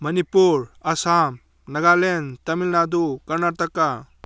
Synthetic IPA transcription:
mənipuɾɐsam | nɐɡalent̪ɐmilnad̪ukɐɾnaɾt̪əkːa

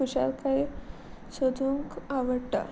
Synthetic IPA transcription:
uɕa̰lkai | sod̪ʱuŋkaʋəɽʈ̪a̰

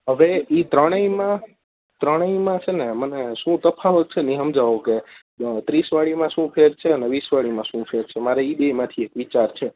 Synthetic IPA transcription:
ɦəʋeit̪ɾəɽ̃əĩmã | t̪ɾəɽ̃əĩmãt͡ʃʰeneməneʃũt̪əpʰaʋət̪̚t͡ʃʰeniɦəmd͡ʒaʋoke | t̪ɾisʋaɽimãʃũpʰeɾt͡ʃʰeəneʋisʋaɭimãʃũfʰeɾt͡ʃʰemaɾeibemãt̪ʰiekʋit͡ʃaɾt͡ʃʰe

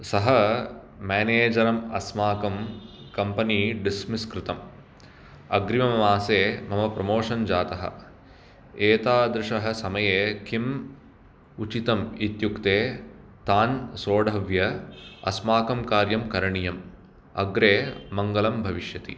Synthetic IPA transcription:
sɐɦɐ | maːneːd͡ʒɐɾɐmɐsmaːkɐm | kɐmpɐniɖismiskɾɪt̪ɐm | ɐɡɾimɐmɐmaːseːmɐmɐpɾɐmoːʂɐnd͡ʒaːt̪ɐɦɐ̰̆ | eːt̪aːd̪ɾɪʂɐɦɐ̆sɐmɐjeːkʰim | ut͡ʃit̪ɐmit̪jukt̪eː | t̪aːnsoːɖʱɐʋjɐɐ̰smaːkɐmkaːɾjɐmkɐɾɐɳijɐm | ɐ̰ɡɾeːmɐŋɡɐlɐmbʱɐʋiʂjɐt̪ḭ

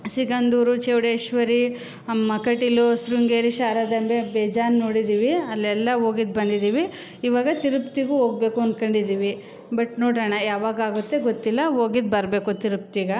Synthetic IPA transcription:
siɡɐnd̪uːɾut͡ʃeːʋɽeːʃʋɐɾi | mɐkɐʈilosɾuŋɡeːɾiʃaːɾɐd̪ɐmbebeːd͡ʒaːnnoːɽid̪iːʋiɐlːɛlːɐoːɡid̪̚bɐnd̪id̪iːʋiː | ʋaːɡɐt̪iɾupt̪iɡuoːɡ̚be̞ːkuɐnd̪kɐɳɖid̪iːʋi | bɐʈnoːɽɐɳɐjaːʋaːɡaːɡut̪ːe̞ɡot̪ːilːɐoːɡid̪̚bɐɾbe̞ːkut̪iɾup̚t̪iɡɐ

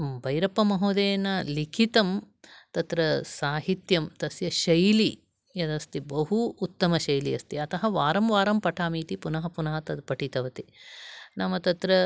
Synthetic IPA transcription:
bʱɐjɾɐpːɐmɐɦoːd̪eːnɐlikʰit̪ɐm | t̪ɐt̪ɾɐsaːɦit̪jɐmt̪ɐsjɐʃɐjli | jɐd̪ɐst̪ibɐɦuːt̪ːɐmɐʃɐjliɐst̪iɐt̪ɐɦɐʋaːɾɐmʋaːɾɐmpɐʈʰaːmiːt̪ipunɐɦɐpunɐɦɐt̪ɐpɐʈit̪ɐʋɐt̪inɐmɐt̪ɐt̪ɾɐ

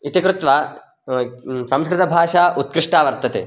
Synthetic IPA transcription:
it̪ikɾut̪ʋa | sɐmskɾɪt̪ɐbʱaːʂaːʔut̪̚kɾɪʂʈaːʋɐɾt̪ɐt̪ḛ

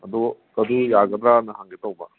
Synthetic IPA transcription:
ɐd̪ukɐd̪ujaɡɐd̪ɾanɐɦaŋɡetawbɐ

